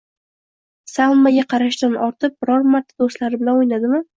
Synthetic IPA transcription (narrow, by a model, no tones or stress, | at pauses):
salˠmaɡʲaqʰɑɾaʃt̪anɒɾt̪ʰɪp̚bɾɒɾmaɾt̪ʰad̪ost̪laɾɪbɪlanojnad̪ɪmɪ